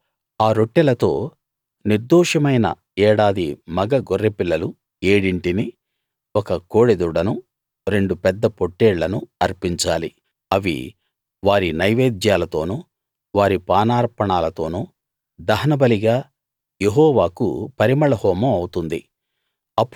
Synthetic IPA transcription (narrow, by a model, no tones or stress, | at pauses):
aːɾo̞ʈːɛlɐt̪o̞̰ː | niɾd̪ɔːʂɐmɐjnɐ̰ | ɛːɽaːd̪imɐɡɐɡorːepilːɐlu | eːɽiɳʈini | ɔkɐkoːɽed̪uɽɐnu | ɾe̞ɳɖupɛd̪ːɐpoʈːeːɽlɐnuɐɾpiɲt͡ʃaːli | ɐʋḭ | ʋaːɾinɐjʋeːd̪jaːlɐt̪o̞ːnu | ʋaːɾipaːnaːɾpɐɳaːlɐt̪o̞ːnuː | d̪ɐɦɐnɐbɐliɡaː | je̞ɦɔːʋaːkṵpɐɾimɐɭɐhɔːmɐmɐwut̪und̪ḭ | ɐpː